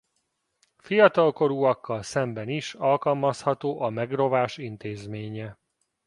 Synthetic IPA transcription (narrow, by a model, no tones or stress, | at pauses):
fijɒt̪ɒlko̞ɾuːɒkːɒlsɛmbɛniʃɒlkɒlmɒshɒt̪oːʔɒmɛɡro̞vaːʃint̪eːzmeːɲɛ